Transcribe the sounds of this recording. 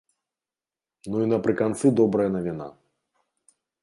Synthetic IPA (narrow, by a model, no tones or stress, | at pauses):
nuinɐpɾɨkant̪sɨd̪ɔbɾɐjɐnɐvʲina̰